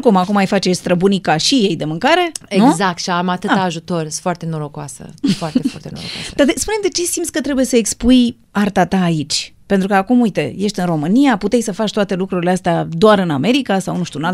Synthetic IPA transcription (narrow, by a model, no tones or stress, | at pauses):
kumakumajfat͡ʃe̞st̪ɾəbunikaʃije̞jd̪e̞mɨŋkaɾe̞enuɡzak̚t̪ʃiamat̪ɨt̪aaːʒut̪o̞rfoart̪e̞noɾokwasə̰foart̪efwa̰rt̪eno̰o̰a̰d̪ad̪espune̞md̪e̞t͡ʃesimsʲkət̪ɾe̞buje̞səekspuj | art̪at̪aːit͡ʃʲpe̞nt̪ɾukəakumujt̪e̞je̞ʃt̪ʲɨnro̞mɨnijaput̪e̞jʲsəfat͡ʃʲt̪oat̪e̞lukɾuɾileast̪ead̪oaɾɨname̞ɾikasawnuʃt̪uɨnalt̪